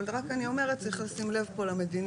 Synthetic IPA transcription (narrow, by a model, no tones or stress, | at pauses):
lʁakanio̞me̞ʁet̚t͡saiχlasimle̞vpo̞lame̞din